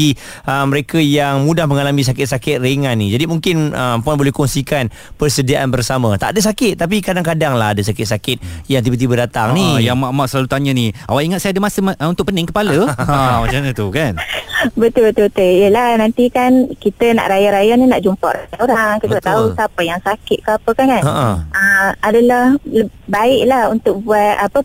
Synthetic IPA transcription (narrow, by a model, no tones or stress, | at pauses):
i | əməɾekəjaŋmũdahməŋalamĩs̬akɪt̪̚sakɪt̪̚reŋanːid͡ʒadimuŋkɪnəmpanbolɛhkɔŋsikan | pərsədiaʔanbərsamat̪aʔadəsakɪt̪ːap̬ikadaŋkadaŋlaɦadəsakɪt̪̚sakɪt̪̚jaŋt̪̬ibət̪̬ibədat̪aŋnijamaʔmaʔsəlalut̪aɲəniawaʔiŋat̪̚sajadəmasəmunt̪ʊk̚pənɪŋkəpaləmat͡ʃanət̪ukanbət̪ʊlbət̪ʊbət̪ʊljəlahnant̪ikankit̪əna̰ʔɾajaɾajanina̰ʔd͡ʒumpɔ̰ʔɾajanoɾaŋkit̪əat̪ausapəjaŋsakɪt̪̚kəapəkankanaʔəəadalahləbaɪʔlahunt̪ʊk̚buat̪apə